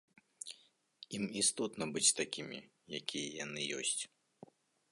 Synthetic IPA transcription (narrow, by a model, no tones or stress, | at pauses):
imist̪ɔt̪nɐbɨt͡sʲt̪akʲimʲḭ | jakʲijɐjan̪ɨjɔ̰sʲt͡sʲ